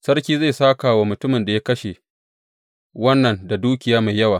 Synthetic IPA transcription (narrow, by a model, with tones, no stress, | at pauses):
sɐ˦rkʲiː˦za˦˨jsaː˦kaː˨wa˦mʊ˨tʊ˦mɪ˨nda˨ja˦kɐ˦ʃe˨ | wɐ˦nːɐ˨nda˨duː˦kʲɪ˨jaː˦ma˨jːɐ˦waː˨